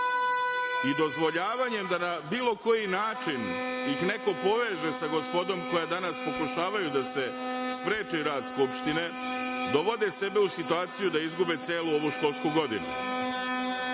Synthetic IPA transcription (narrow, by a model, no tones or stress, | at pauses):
id̪o̞zʋo̞ʎaːʋaɲe̞md̪anabiːlo̞ko̞jinaːt͡ʂinixne̞ko̞po̞ʋe̞ːʒesaɡo̞spo̞d̪o̞mko̞jad̪anaspo̞kuʃaːʋajud̪ase̞spɾe̞ːt͡ʃiɾaːd̪skupʃt̪ine̞ | d̪o̞ʋo̞d̪e̞se̞beusit̪uaːt̪sijud̪aizɡube̞t̪seːluo̞ʋuʃko̞ːlˠskuɡo̞d̪ḭnṵ